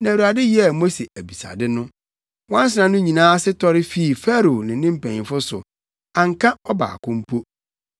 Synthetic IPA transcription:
nã˨u˨ɾa˨dɪ˦ji˦ɛ˨mo˦se˨ʔæ˨bi˨sa̰˨dɪ˦nʊ̃˦ | wã˦n˦s̬ɪ˨nã˨nʊ̃˦ɲĩ˨nãː˦sɪ˦tʰɔ˦ɾɪ˦fi˦i˨fæ˦ɾo˨nɪ̃˨˦nɪ̃˦m̩˦˨pʰɛ̃˨ɲ˨fʊ˦sʊ̰˨ | a˨ŋ̩˨kʰã˦ɔ˦ba̰ː˨kʰʊ̃˦m̩˦pʰo˦

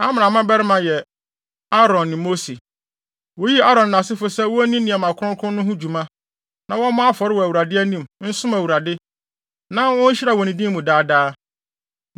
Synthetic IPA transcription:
a˦mɪ̃˨ã˨mã˦bɛ˦ɾɪ˦mã˨jɛ˨ | a˦ɾɔ̃˨nːɪ̃˨mo˦si˨ | wo˦ji˦a˦ɾɔ̃˨nː˨ã˨sɪ˦fʊ˨sɛ˦wɔ˦æ˦nĩ˦nĩ˨a˨mã˨kʰʊ˦ʊ̃˦kʰʊ̃˦nʊ̃˦ɦʊ̃˦d͡ʑu˨mã˦ | nã˨wɔ̃˦mʊ̃˦a˦fɔ˨ɾɪ˦wɔ˨æ˨wu˨ɾa˨dɪ˦æ˦nĩ˦mn̩˦sʊ̃˦mæ˨wu˨ɾa˨dɪ˦ | nã˦wɔ̃˦ɲ̩˦ɕi˦ɾa˨wɔ˨nĩ˨dĩ˦mːũ˨daː˦daː˦

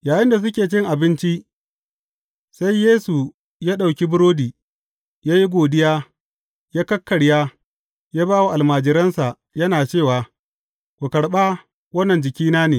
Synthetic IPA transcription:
jaː˨jɪ˦nda˨s̬ʊ˦kʲeː˨t͡ʃɪ˦ŋʔa˨bɪ˦nt͡ʃi˦ʔ | sa˦jːeː˦su˨ | jaː˦ɗa˨wkʲi˦bʊ˦ɾoː˦diː˨ | jaː˦ji˦ɡʷoː˨dɪ˦jaː˦ | jaː˦kɐ˦kːɐ˨ɽjaː˦ | jaː˦baː˦wo˨ʔa˨lmaː˨d͡ʒɪ˨ɾɐ˦nsa˨ʔ | jɐ˦naː˨t͡ʃeː˦˨waː˨ | kʷu˨kɐ˨ɽɓaː˦ | wɐ˦nːɐ˨nd͡ʒɪ˨kʲiː˦naː˦neː˨

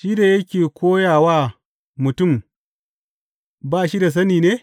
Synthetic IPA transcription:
ʃiː˦da˨jɐ˦kʲeː˨kʷoː˦jaː˨waː˦ | mʊ˨tʊ˦˨m | baː˦˨ʃi˦da˨s̬ɐ˦niː˨neː˦

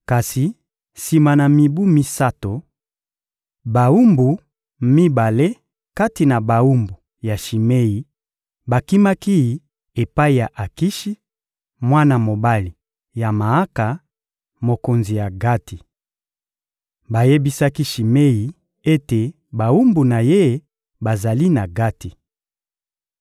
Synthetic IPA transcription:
ka˨si˨ | si˨ma˨na˨mi˨bu˦mi˦sa˦to˨ | ba˨u˦mbu˨ | mi˦ba˨le˦ | ka˦ti˨na˨ba˨u˦mbu˨ | ja˨ʃi˨me˦ji˨ | ba˨ki˦ma˦ki˦˨ | e˨pa˦i˨ja˨ʔa˨ki˦ʃi˦ | mwa˦na˨mo˨ba˦li˨ | ja˨ma˨a˦ka˨ | mo˨ko˨nzi˨ja˨ɡa˦tʰi˨ | ba˨je˦bi˦sa˦ki˦ʃi˨me˦ji˨ | e˦te˨ | ba˨u˦mbu˨na˨je˦˨˦ | ba˨za˨li˦na˨ɡa˦ti˨

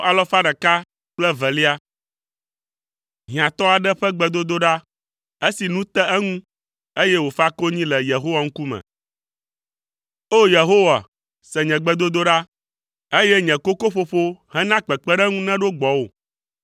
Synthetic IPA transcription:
a˨lɔ˦fa˦ɖɛ˨ka˦ | k͡plɛ˦vɛ˨li˦a˦ | ɦĩ˨ã˨t̪ɔ˦a˨ɖɛ˦ɸɛ˦ɡ͡bɛ˨d̪o˦d̪o˦ɖa˦ | e˦si˨nũ˦t̪ɛ˦ɛ˦ŋũ˦ | e˦je˦wo˨fa˦ko˦ɲĩ˦lɛ˨je˨ɦo˦wa˨ŋ̩˦ku˦mɛ̰̃˨ | o˦je˨ɦo˦wa˨ | sɛ˨ɲɛ̃˨ɡ͡bɛ˦d̪o˦d̪o˦ɖa˦ | e˦je˦ɲɛ̃˨ko˦ko˦ɸo˨ɸo˦hɛ̃˦nã˦k͡pɛ˨k͡pɛ˦ɖɛ˦ŋũ˦nɛ̃˦ɖo˦ɡ͡bɔ˨wo˨

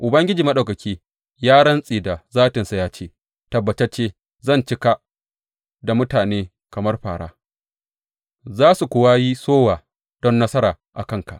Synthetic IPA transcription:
ʔʊ˨bɐ˦ŋɡʲɪ˦d͡ʒiː˨mɐ˦ɗɐ˨kɐ˨kʲiː˦ | jaː˦ɽɐ˦nsʼiː˨da˨zaː˦tɪ˨nsa˦jaː˦t͡ʃeː˦ | tɐ˨bːɐ˨t͡ʃɛ˦t͡ʃeː˦ | zɐ˦˨nt͡ʃɪ˦ka˦ | da˨mʊ˦taː˨neː˦ | kɐ˨mɐ˦rɸaː˨ɽa̰ː˦ | zaː˦su˨kʷʊː˨wa˦ji˦soː˦waː˨ | d̥ɔ˦nːɐ˦sɐ˦ɾaː˨ | ʔa̰˨kɐ˦˨ŋka̰˨ʔ

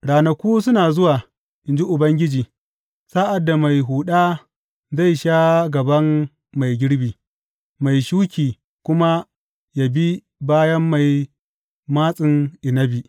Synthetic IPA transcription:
ɽaː˨nɐ˨kʷuː˦sʊ˦naː˨zʊ˦waː˨ | ʔɪ˨nd͡ʒi˦ʔʊ˨bɐ˦ŋɡʲɪ˦d͡ʒiː˨ | saː˦ʔa˨dːa˨ma˨jɦuː˨ɗaː˦ | za˦˨jʃaː˦ɡɐ˨bɐ˦mː | a˨jɡʲɪ˦ɽbiː˨ | ma˨jʃuː˦kʲiː˨ | kʷʊ˦ma˦ | ja˨bi˦ | baː˦jɐ˦mːa˨j | maː˦sʼɪ˨ŋʔɪ˨nɐ˦bi˨

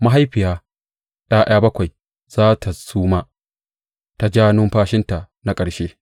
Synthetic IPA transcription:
ma˦ɦa˦jɸɪ˨jaː˦ | ɗaː˦j̰aː˦bɐ˦kʷa˨j | z̥aː˦tʰa˨suː˦ma˦ | ta˨d͡ʒaː˦nʊ˦mɸaː˦ʃɪ˦nta˨ | na˦kʼɐ˨ɽʃeː˦

